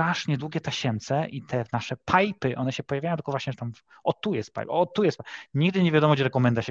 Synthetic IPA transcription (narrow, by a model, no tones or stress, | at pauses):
ɾaʂɲɛd̪wuɡʲɛt̪ɛɕɛmt̪sɛʔit̪ʰɛnaʂɛpʰajpɘʔɔnɛɕɛpɔjavʲjajɔ̃t̪l̥kɔvwaɕɲɛt̪am | ɔt̪ujɛst̪̚pa̰jpɔt̪ːujɛs̚paɲiɡd̪ɘɲevʲjad̪ɔmɔd͡ʑɛɾɛkɔmɛnd̪aɕɛ